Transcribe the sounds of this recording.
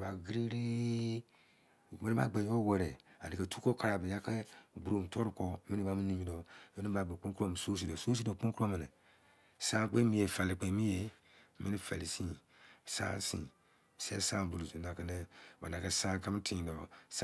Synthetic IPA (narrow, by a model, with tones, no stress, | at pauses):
ba˨ɡɾi˦ɾe˦˨ | me˦ni˦ba̰˨˦ɡ͡be˨˦o˦wɛ˨ɾɛ˨a̰˨di˨ke˨tu̥˦ko˦ka˨˦ɾa˨be˨ja˦kɛ˦ɡ͡bɾo˨m˨tʰɔ˦ɾu˨kɔ˦˨mi˦ni˦ba˨˦mi˦ni˨˦mi˨dɔ˨me˦ni˦ba˨ɡ͡be˨k͡põ˦kɾo˦m˨so˦s̬i˨dɔ˨so˦s̬i˦dɔ˨k͡põ˦ko˦me˨nɛ˨ | sã˦k͡pẽ˦mi˦je˨fa˨li˨k͡pẽ˨mi˦je˨ | mi˦ni˦fe˨li˨sĩ˦ | sã̰˦sḭ̃˨ | sɛ˦sã˦˨bu˨lu˨tu˨na˨ke˦nɛ˦ba̰˨na˨ke˦sã˦ka˦m˦tʰĩ˨dɔ˨s